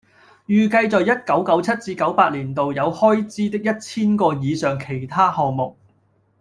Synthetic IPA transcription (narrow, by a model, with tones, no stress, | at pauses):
jyː˨kɐ˧jt͡sɔ˨jɐ˥t̚kɐ˨˥wkɐ˨˥wt͡sʰɐ˥t̚t͡siː˧kɐ˨˥wpaː˧t̚liː˨˩nt̪o˨wjɐ˨˧whɔː˥jt͡siː˥t̪ɪ˥k̚jɐ˥t̚t͡sʰiː˥nkɔː˧jiː˨˧sœː˨ŋkʰe˨˩jt̪ʰaː˥hɔː˨ŋmʊ˨k̚